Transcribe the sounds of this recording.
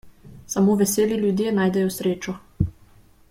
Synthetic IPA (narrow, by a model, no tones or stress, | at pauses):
samoːʋɛseːliljud̪jenaːjd̪ɛjɔsɾeːt͡ʃɔ